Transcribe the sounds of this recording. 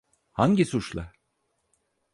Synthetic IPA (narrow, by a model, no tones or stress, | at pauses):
haɲɟisut͡ʃlˠa̰